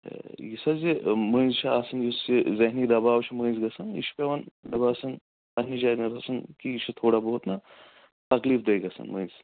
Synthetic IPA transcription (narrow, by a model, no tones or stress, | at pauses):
jisɐzimɐ̃ːnzt͡ʃʰiaːsɐnjisizɐɦnid̪ɐbaːwt͡ʃʰimə̃ːnzɡɐsɐnḭt͡ʃʰpeʋɐnɖɐbaːsɐn | ɐɦnid͡ʒaːɾnɐɾʰɐsɐnkit͡ʃʰit̪ʰoːɽaboɦut̪nɐ | t̪ɐkliːfd̪eːɡɐsɐ̰nmə̃ːnz